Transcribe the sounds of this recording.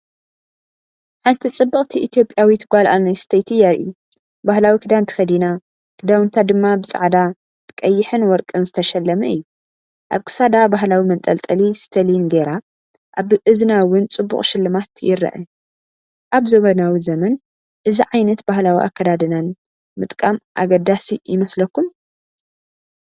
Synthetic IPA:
ħant̪ʰit͡sʼɨbːɨχʼt̪ʰiʔit̪ʰijo̞pʼjawit̪ʰɨɡʷalʔanajsɨ̥t̪ʰɐjt̪ʰɨjaɾʔḭ | bahlawikʰɨd̪ant̪ʰɨ̥xɐd̪ina | kʰɨd̪awɨnt̪ʰad̪ɨmːabɨt͡sʼa̰ʕd̪a | b̥ɨkʼɐjːɪħɨnwɔɾkʼɨnzɨt̪ʰɐʃɐlːɐmɐɨ̰jːu | ʔaβkʰɨ̥sad̪abaɦlawimɐnt̪ʼɐlt̪ʼɐlist̪ʰɐlinɡeɾa | ʔaβʔɨznawʊnt͡sʼɨbːṵχʼʃɪlːɨmat̪jɪ̰ɾɐ̰ʔɨ̰ | ʔaβzoβɐnawizɐmɐn | ʔɨziʕajnɐt̪bahlawiʔa̰kːɐd̪ad̪ɨnan | mɨt̪ʼkʼamʔa̰ɡɐd̪asijɪmɐslɐkːum

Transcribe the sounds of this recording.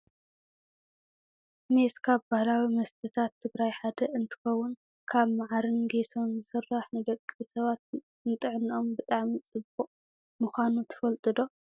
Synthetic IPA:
meskʰaβbahlawimɐst̪ʰɨt̪ʰat̪ʰːɨɡɾajħad̪ɐʔɨnt̪ʰɨ̥xɐwːʊn | kʰaβmaʕaɾɨnɡeso̞nzɨsɨrːaħnɨd̪ɐkʼːisɐβat̪ | nɨt̪ʼɨʕno̞mbɨt̪ʼaʕmit͡sʼɨbuʔʼ | mɨxʷanut̪ʰɐ̥fɐlt̪ʼɨd̪o̞

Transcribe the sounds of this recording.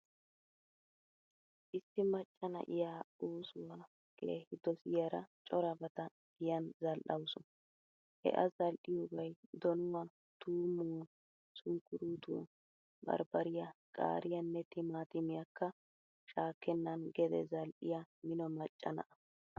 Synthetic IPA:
ʔɪsːɪmɐt͡ʃʼːɐnɐ̰ʔɪjaːuːsʊwaː | keːhɪd̪ɔsɪjɐɾɐt͡ʃʼɔɾɐbɐt̪ɐ | ɡɪjɐnzɐlʔɐwsʊn | hɛ̰ʔɐzɐlʔɪjɔbɐjd̪ɔnʊwa | t̪uːmːu | sʊŋkːʊɾuːt̪ṵ | bɐ̰ɾbɐɾɪjɐkʼa̰ːɾɪjɐnːɛt̪ɪmaːt̪ɪmɪjɐkʰːɐ | ʃaːkːɛnːɐnɡɛd̪ɛ̰zɐlʔɪjamɪnɔmɐt͡ʃʼːɐnɐ̰ʔɐ̥

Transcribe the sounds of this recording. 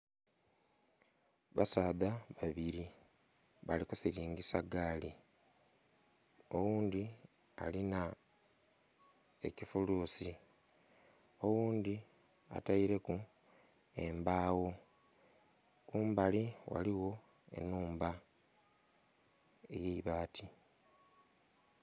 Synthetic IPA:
βasaːðaβaβiɾi | βalikusiɾiːŋɡisaɡaːli | o̞wuːnd̪i | a̰lina | e̞̰cifuluːsi | o̞wuːnd̪i | a̰taiɾe̞ku | e̞mbaːwo̞ | kuːmbaliwa̰liwo̞ | e̞̰nuːmba | e̞̰je̞iβaːtʰi

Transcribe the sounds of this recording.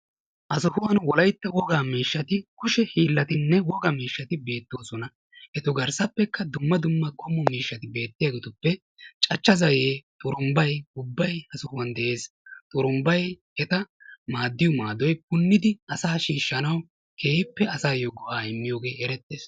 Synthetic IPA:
ʔɐsɔhʊwɐnwɔlɐjt̪ːɐwɔɡaːmiːʃːɐt̪ɪkʊʃɛhiːlːɐt̪ɪnːɛwɔɡɐmiːʃːɐt̪ɪbe̞ːt̪ːoːsɔnɐ | ʔɛt̪ɔɡɐɾsɐpːɛkːɐd̪ʊmːɐd̪ʊmːɐkʰɔmːɔmiːʃːɐt̪ɪbe̞ːt̪ːɪjaɡɛt̪ʊpːɛ | t͡ʃʼɐt͡ʃːɐzɐjeːt̪ʼʊɾʊmbɐjʊbːɐjhɐsʊhʊwɐnd̪ɛʔe̞ːs | t̪ʼʊɾʊmbɐjhɛt̪ɐmaːd̪ːɪjɔmaːd̪ɔjp̚ʊnːɪd̪ɪɐsaːʃiːʃːɐnɐw | kʰeːpːɛɐsaːjoɡɔʔaːɪmːɪjo̞ːɡe̞ːɛɾɛt̪ːeːs

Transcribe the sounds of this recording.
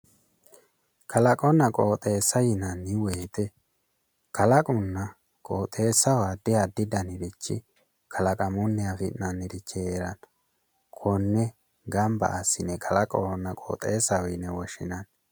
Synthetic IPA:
kʰɐlɐkʼɔnːɐkʼoːt̪ʼe̞ːsːɐjɪnɐnːɪweːt̪ɛ | kʰɐlɐkʼʊnːɐ | kʼoːt̪ʼe̞ːsːɐwad̪ɪjad̪ɪd̪ɐnɪɾɪt͡ʃːɪ̰ | kʰɐlɐkʼɐmʊnːɪjafɪʔnɐnɪɾɪt͡ʃːɪeːɾɐn | kʰɔnːɛ | ɡɐmbɐ̰ʔɐsːɪnɛkʰɐlɐkʼɔwɔnːɐkʼo̰ːt̪ʼeːsːɐwɪnɛwɔʃɪ̰nɐn

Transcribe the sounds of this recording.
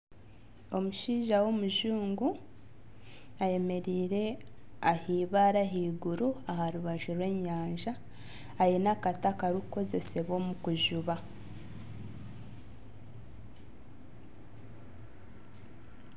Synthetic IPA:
o̞muʃiːʒawo̞muʒuːŋɡu | aje̞me̞ɾiːɾe̞ahiːβaɾaɦiːɡuɾuahaɾuβaʒuɾwe̞ːɲaːɲʒaː | jinakatakaɾuko̞ze̞se̞βo̞ːmukuʒuβa

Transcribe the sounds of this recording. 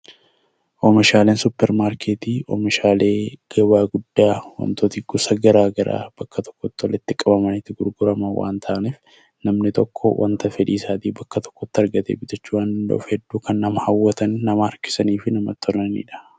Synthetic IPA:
ʔɔmɪʃaːle̞ːnsʊpːɛɾmaːɾkʰeːt̪iːʔɔ̰mɪʃaːle̞ːɡ̥ɐːbaːɡʊd̪ːaːwɐ̰nt̪oːt̪iːɡʊsɐɡɐɾaːɡɐɾa̰ːb̥ɐkːɐt̪ɔ̥kːɔt̪ːɔlɛt̪ːɪkʼɐbɐmɐnɪt̪ːɪɡʊɾɡʊɾɐmɐwʔa̰ːnt̪ʰaːʔniːf | nɐmnɪt̪ɔkʰːɔ̰wʔɐ̰nt̪ɐfɛᶑḭːsaːd̪iːbɐkːɐt̪ɔ̥kːɔt̪ːɪɐɾɡɐt̪ḛːbɪt̪ɐt͡ʃːuːwaːnd̪ɐnd̪ɐ̰ʔʊ̰fhɛd̪ːuːkɐnːɐmɐhɐwːɐt̪ɐnːɐmɐːɾkɪ̥sɐniːfɪnɐmɐt̪ːɔlɐnḭːᶑɐ̥

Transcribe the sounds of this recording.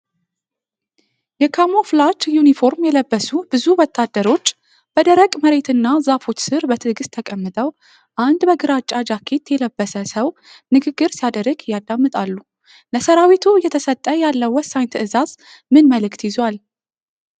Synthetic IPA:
jɛkʰamoflat͡ʃjunifo̞ɾmjɛləbːəsubɨzuwɔt̪ʰːad̪ːəɾo̞t͡ʃː | b̥əd̪əɾəkʼməɾe̞t̪ʰɨnːazafo̞t͡ʃsɨɾbət̪ʰɨɡɨst̪ʰəkʼəmːɨt̪ʼəw | ʔand̪bəɡɨɾat͡ʃʼːad͡ʒakʰe̞t̪jɛləbːəsəsəw | nɨɡɨɡːɨɾsijad̪əɾɨɡjːad̪amːɨt̪ʼalːu | ləsəɾawit̪ʰujɛt̪ʰəsət̪ʼːəjalːəwːɔsːaɲt̪ʰɨʔɨzaz̥ | mɨnməlɨkt̪jɪzwal

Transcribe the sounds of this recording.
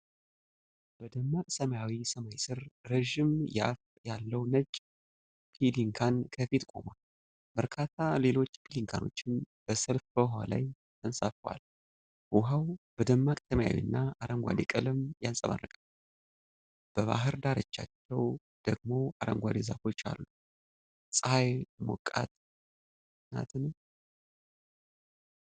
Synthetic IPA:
b̥əd̪əmːakʼsəmajawisəmajsɨɾːəʒɪmja̰f | jalːəwnəd͡ʒʼ | kʰiliŋkʰankʰəfit̪kʼo̞̰mal | bəɾkʰat̪ʰale̞lo̞t͡ʃːkʰiliŋkʰa̰no̞̰t͡ʃːɪn | b̥əsəlfbəɦala̰j | t̪ʰənsʼafwa̰l | ʔʊɦawb̥əd̪əmːakʼt̪ʰəmja̰wḭnːaaɾəŋɡʷa̰d̪ekʼɨlɨmjansʼəma̰rːəkʼə | b̥əβa̰ɦɨɾd̪aɾət͡ʃːa̰t͡ʃːɛw | d̪̥əɡ̚mo̞aɾə̰ŋɡʷad̪eza̰fo̞t͡ʃːa̰lːu | sʼəhajmɔ̰kʼːa̰t̪ | na̰t̪ʰɨn

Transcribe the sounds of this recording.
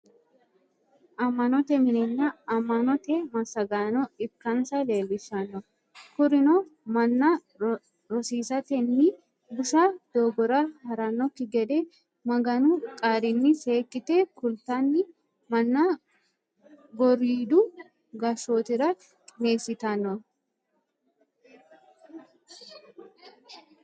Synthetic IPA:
ʔɐmɐnɔt̪ɛmɪnɛnːaɐmɐnɔt̪ɛmɐsɐɡaːnɔɪkːɐnsɐle̞ːlːɪsɐnɔ | kʊɾɪnomɐnːɐ | ɾɔsiːsɐt̪ɛnːɪ | bʊʃaːd̪̥oːɡɔɾaːhɐɾanːɔkːɪɡɛd̪ɛ | mɐɡɐnukʼaːɾɪnːɪse̞ːkʼːɪt̪eːkʊlt̪anːɪ | mɐnːa | ɡɔɾiːd̪uː | ɡɐʃoːt̪ɪɾɐ | kʼɪne̞ːsɪt̪ɐnɔ

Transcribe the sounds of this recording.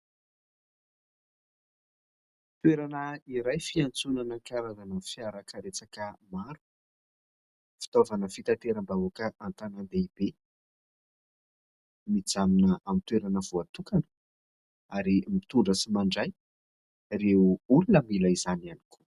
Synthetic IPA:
t̪weɾanəiɾajfiant͡sunanəkaɾazanənfiaɾakəɾet͡sakəmaɾu̥ | fi̥t̪ovanəfit̪at̪eɾəmbauakəʔant̪anand̪eibe | mid͡zaminəamit̪weɾanəvuat̪ukanə̥ | aɾimit̪uɳɖ͡ʐəsimaɳɖ͡ʐaj | reulunəmilaizanani̥kʰu̥

